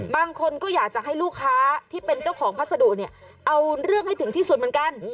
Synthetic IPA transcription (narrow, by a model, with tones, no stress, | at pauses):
baː˧ŋkʰo˧nkɔː˥˩jaː˨˩k̚t͡ɕa˨˩ɦa˥˩jluː˥˩kʰːaː˦˥t̪ʰiː˥˩pe˧nt͡ɕa˥˩wkʰɔː˩˦ŋpʰa˥˩t̪̚sa˧du˨˩k̚ni˥˩ə | ʔa˧wɾɯ˥˩əŋha˥˩jt̪ʰɯ˩˦ŋt̪ʰiː˥˩su˨˩t̪̚mɯ˩˦nka˧n